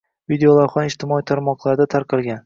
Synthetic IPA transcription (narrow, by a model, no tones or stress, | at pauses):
vid̪eolˠawχɒnɪʃt̪ʰɪmɒit̪ʰaɾmɒqlˠaɾd̪at̪ʰaɾqʰɨlˠɡʲan